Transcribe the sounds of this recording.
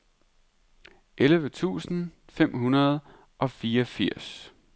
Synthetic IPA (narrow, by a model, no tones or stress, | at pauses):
ʔelʋət͡sʰṵːsn̩fem̰ɦunɐð̞̩ˠ | ʔɒ̽fiːɒfiɐ̰s